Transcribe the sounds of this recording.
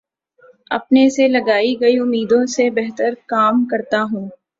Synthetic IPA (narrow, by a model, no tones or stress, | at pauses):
ɐ̰pneselɐɡaːiɡɐiʊmːiːd̪õsebɛɦt̪əɾkaːmkɐɾt̪aɦũː